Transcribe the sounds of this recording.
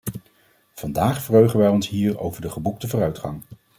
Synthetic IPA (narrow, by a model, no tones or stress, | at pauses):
v̥ɑndaːχfərøɥχənʋɛjɔnsɦiːro̰wvəɹdəχəbuk̚təvʊːrœɥtχɑ̰ŋ